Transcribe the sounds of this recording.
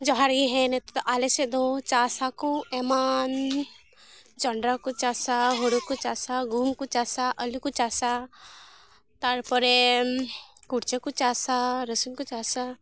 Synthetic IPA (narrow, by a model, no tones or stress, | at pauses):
d͡ʒɔɦaɾɡiɦɛ̃nɛt̪ɔt̪ɔʔalesed̪ɔt͡ʃasakuɛman | d͡ʒɔɳɖɾakut͡ʃasaɦoɽukut͡ʃasaɡʱumkut͡ʃasaʔəlukut͡ʃasa | t̪aɾpɔɾe | kuɽt͡ʃekut͡ʃasaɾəsumkut͡ʃasa